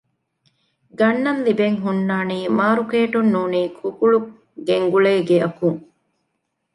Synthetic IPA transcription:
ɡɐnːɐnlibeŋɦunːaːniːmaːɾukeːʈunːuːniːkʰukuɭu | ɡeŋɡuɭeːɡeɐkuŋ

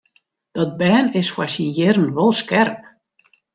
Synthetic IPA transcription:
d̥ɔt̚bɛːnɪsfwasinjɪrən̩ʋɔlˠskɛrp̚

